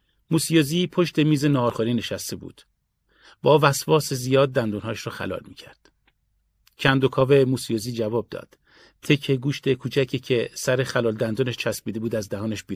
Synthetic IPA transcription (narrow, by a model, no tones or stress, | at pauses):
muːsijoziːpʰo̞ʃt̪e̞miːze̞nɒɒːɾχoɾiːne̞ʃæst̪e̞bṵːd̪̥ | bɒːvæsvɒːsezijɒːd̪̚ːænd̪uːnɦɒːjʃɾɔːxæ̰lɒ̰ːlmicʰæɾd̪̥ | cʰænd̪okʰɒːvemuːsijoːziːd͡ʒævɒːb̚d̪ɒ̰ːd̪̥ | t̪ʰːe̞cʰeɡuːʃt̪e̞kʰuːt͡ʃʰæcʰicʰe̞sæɾe̞xælɒːld̪ænd̪uːneʃt͡ʃʰæsbiːd̪e̞buːd̪æzd̪æhɒːneʃbiː